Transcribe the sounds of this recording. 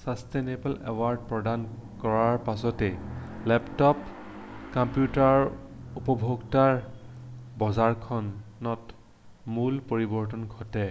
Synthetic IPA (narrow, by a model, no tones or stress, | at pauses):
sasteneblḛwaɹd̚pɹɔdan | kɔɹaɹpasɔtɛlɛptɔp | kampjutaɹupɔbʱoɡtaɹ | bɔzaɹkʰɔn | ɔt | mulpoɹibɔɹtɔnɡʱɔtɛ